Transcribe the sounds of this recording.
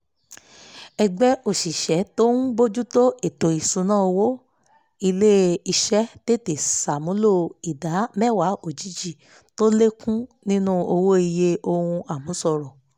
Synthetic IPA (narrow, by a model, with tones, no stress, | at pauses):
ɛ˧ɡ͡bɛ˦o˨ʃi˨ʃɛ˨˦to˦nũ˦bo˦d͡ʒu˦to˦e˨to˨i˨sũ˨˦nã˦o˧wo˦ | i˧le˦i˧ʃɛ˦te˦˨te˨sa˨mũ˨˦lo˦˧i˨da˨˦mɛ˦˨wa˨˦o˦˨d͡ʒi˨˦d͡ʒi˦˨ | to˦le˦kũ˦nĩ˦nũ˦o˧wo˦i˧je˧o˧hũ˧a˨mũ˨˦sɔ˧˨ɾɔ˨